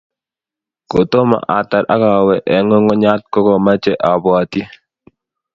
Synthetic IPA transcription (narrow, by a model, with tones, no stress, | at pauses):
ko˨to˦ma̰˨ʔa˨ta˨ɾʔa̰˦ka˨wɛ˨ʔɛ˨˦ŋo˦ŋɔ˦ɲa˦t̚kɔ˦kɔ˨ma˦t͡ʃɛ˦ʔa˨ba˨ti˦